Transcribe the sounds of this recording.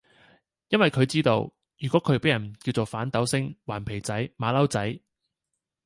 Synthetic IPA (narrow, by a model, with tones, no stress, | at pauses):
jɐ˥nwɐ˨jkʰɵ˨˧ɥt͡siː˥t̪o̰˧w | jyː˨˩kʷɔː˨˥kʰɵ˨˧˥pe˨˥jɐ˨˩nkiː˧wt͡so˨wfaː˨˥nt̪ɐ˨˥wsɪ˥ŋwaː˨˩npʰe˨˩jt͡sɐ˨˥jmaː˨˧lɐ˥wt͡sɐ˨˥j